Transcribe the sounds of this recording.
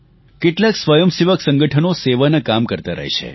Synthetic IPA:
keʈlaksʋəjəmsiʋəksəŋɡəʈʰənoseʋanəkamkəɾt̪aɾə̰ɦḛʃʰḛ

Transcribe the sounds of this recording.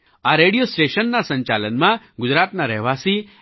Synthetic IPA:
aɾeɽijosʈeʃənːasə̃ɲt͡ʃalənmã | ɡʊd͡ʒɾat̪naɾɛɦʋasi

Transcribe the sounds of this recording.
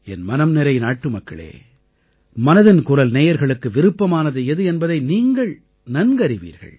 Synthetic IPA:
ɛnmɐnɐmnɪɾɐɪnaːʈːɯmɐkːɐ̰ɭḛː | mɐnɐðɪnkʊrɐlneːjɐɾɣɐɭɯkːɯʋɪɾɯpːɐmaːnɐðɯɛðɯɛnbɐðɐɪniːŋɡɐɭ | nɐnɡɐɾɪʋḭːɾɣɐ̰ɭ

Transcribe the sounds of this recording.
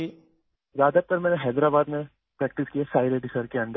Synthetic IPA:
i | zaːd̪ət̪ɐɾmɛ̃ːneɦɛːd̪ɾabaːd̪mẽ | pɾɛːk̚ʈɪskiesaːɪɾeɖɪsəɾkeɐ̃ɳɖ̪ə

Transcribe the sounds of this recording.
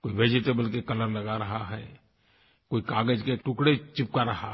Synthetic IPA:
koːiʋeːd͡ʒɪʈebəlkekɐləɾlɐɡaɾɐɦaɦɛ̰ː | koːikaːɡəd͡ʒkeʈʊkɽet͡ʃɪp̚kaɾɐɦa̰

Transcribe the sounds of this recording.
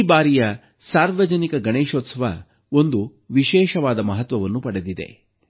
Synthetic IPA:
baːɾijɐ | saːɾʋɐd͡ʒɐnikɐɡɐɳeːʃoːt̪sɐʋɐ̰ | o̞nd̪u | ʋiʃɛːʃɐʋaːd̪ɐmɐɦɐt̪ʋɐʋɐnːupɐɽed̪id̪e̞̰

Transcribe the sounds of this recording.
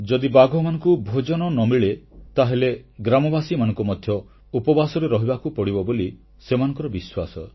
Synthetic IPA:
d͡ʒɔd̪ibaɡʱɔmanɔ̃ŋkubʱod͡ʒɔnɔnɔmiɭet̪aɦeleɡɾamɔbasimanɔ̃ŋkumɔd̪ʱjɔ | upɔbasɔɾuɾɔɦibakupɔɽibɔboli | semanɔ̃ŋkɔɾɔbiswasɔ

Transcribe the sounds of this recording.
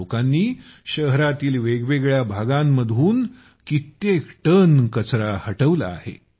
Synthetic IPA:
okanːiː | ɕəɦɾat̪iːlʋeɡʋeɡɭjabʱaɡamːəd̪ʱuːn | kit̪ːekʈənkət͡sɾahəʈəʋla̰a̰hḛ

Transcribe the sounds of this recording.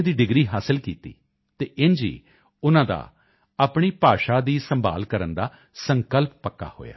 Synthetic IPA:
d̪iːɖɪɡɾiːɦaːsəlkiːt̪ḭː | t̪eːʔɪnd͡ʒḭː | ʊnãːd̪a̰ː | aːpɳiːpaːʃaːd̪iːsə̃mba̰ːlkəɾənd̪aː | səŋkəlppəkːa̰ːho̰ːja̰ː

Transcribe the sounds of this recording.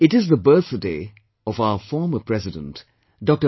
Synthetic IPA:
ɪʈɪzðəbɜθdeː | ɔvaʊəfɔːɹməpʰɹ̥ɛzɪdə̰̃nt | d̥ɔk̚tə

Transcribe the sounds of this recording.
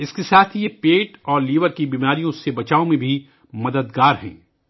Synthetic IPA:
ɪskesaːt̪ʰjepeːʈɔːɾliːʋəɾkibiːmaːɾijõsebɐt͡ʃaːõmẽbʱi | mɐd̪əd̪ɡaːɾɦɛ̰̃ː

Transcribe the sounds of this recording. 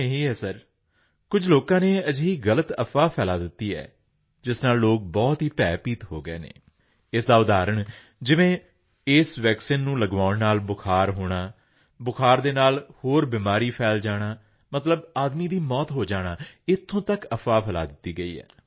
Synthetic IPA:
eɦiːɛːsəɾ | kʊd͡ʒloːkãːneːəd͡ʒɦiːɣələt̪əfʰaːpʰɛːlaːd̪ɪt̪ːiːɛ̰ː | d͡ʒɪsnaːlːoːk̚bɔːt̪ɦiːpɛːpiːt̪ɦoːɡəḛːnḛː | ɪsd̪aːʊd̪aːɾəɳ | d͡ʒɪʋẽː | ɪːsʋɛːksiːnːũːləɡʋaːɳnaːlbʊkʰaːɾɦoːɽ̃aː | bʊkʰaːɾd̪eːnaːlhoːɾbiːmaːɾiːpʰɛːld͡ʒaːɽ̃aː | mət̪ləbaːd̪miːd̪iːmɔːt̪ɦoːd͡ʒaːɽ̃aːɪt̪ʰːõːt̪əkəfʰaːpʰɛːla̰ːd̪ɪt̪ːiːɡəiːɛ̰ː

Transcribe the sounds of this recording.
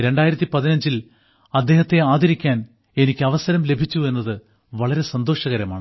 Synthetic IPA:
ɾe̞ɳɖaːjiɾɐt̪ːipɐðinɐɲd͡ʑil | ɐd̪ːe̞ːɦɐt̪ːe̞aːd̪ɐɾikʲːaːn | e̞nikʲːɨɐʋɐsɐɾɐmle̞bʱit͡ɕːue̞nːɐðɨ | ʋɐɭɐɾe̞sɐnd̪o̞ːʂɐɣɐɾɐmaːɳɨ

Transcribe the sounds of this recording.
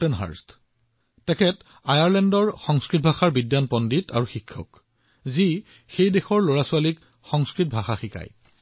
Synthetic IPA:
tɛnɦa̰ɹst | tɛkʰɛt | ajaɹlɛndɔɹxɔŋskɹit̚bʱaxaɹbidjanpɔnditʰa̰ɹuxikʰːɔ̰k | zi | xejdexɔɹloɹasʊalik | xɔŋskɹit̚bʱaxaxika̰j

